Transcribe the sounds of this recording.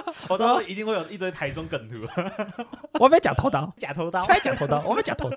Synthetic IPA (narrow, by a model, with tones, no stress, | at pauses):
wɔ˨t̪ɔ˥˦˥i˧t̪i˥˧ŋxwe˥˩jo˨˩i˥t̪wt̪ʰa˧˦ɪt͡sɔ˧˥ŋkə˨˩nt̪ʰu˨˦ | wɔ˨˩m˥˦t͡ɕja˨˩t̪ʰo˧˥t̪a˥ʊt͡ɕja˨˩t̪ʰo˨˧˦t̪a˥˦˥t͡ɕa˨˩t̪ʰt̪a˥˧wɔ˨˩me˥t͡ɕa̰˨˩t̪ʰo˧˦˥